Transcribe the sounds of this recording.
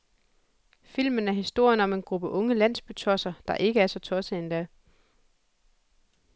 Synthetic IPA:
fil̰mənæɐɦisd̥o̝ɐ̰jənɒ̽me̝nɡ̥ʁub̥əʔɔ̽ŋəlæn̰sb̥yt͡sʰɒ̽sɐd̥ɑ̈ʔe̝ɡ̥əæɐsɒ̽t͡sʰɒ̽səend̥æ

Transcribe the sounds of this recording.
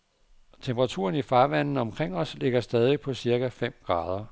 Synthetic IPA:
t͡sʰemb̥ʰəʁɑ̈t͡sʰṵːɐnifɑ̈ːʋæn̰n̩ɒ̽mkʰʁeŋ̰ɒ̽sle̝ɡ̥ɐsd̥ɛːð̞ˠipʰɒ̽siɐɡ̥æfem̰ɡ̥ʁɑ̈ːð̞ˠɐ

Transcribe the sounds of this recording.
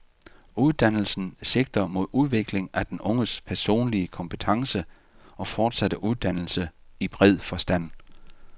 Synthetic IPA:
uð̞ˠd̥æn̰l̩sn̩se̝ɡ̥̚d̥ɐmo̝ð̞̰ˠuð̞ˠʋe̝ɡ̥le̝ŋæd̥enɔ̽ŋəspʰæɐso̝̰ːnliəkʰɒ̽mpʰət͡sʰɑ̈ŋsə | ɒ̽fɒːd̥sæd̥əʔuð̞ˠd̥æn̰l̩səib̥ʁɛð̞̰ˠfɒ̽sd̥æn̰

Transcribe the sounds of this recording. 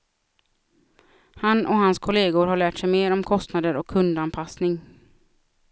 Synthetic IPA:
hanʔɔhanskʰɔleːɡʊɾhaɭæːʈʂɛjmeːɾɔmkʰɔst̪nad̪əɾɔkʰːɵnd̪anpʰasnɪŋ

